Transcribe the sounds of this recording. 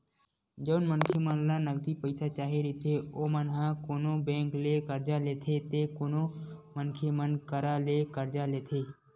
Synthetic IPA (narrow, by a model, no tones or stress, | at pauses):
d͡ʒəːnmənkʰemənlanəɡ̚d̪ipəɪsat͡ʃaːɦeɾit̪ʰeoːmənɦãkoːnobẽːklekəɾd͡ʒaleːt̪ʰet̪ekoːnomənkʰemənkəɾalekəɾd͡ʒaleːt̪ʰeː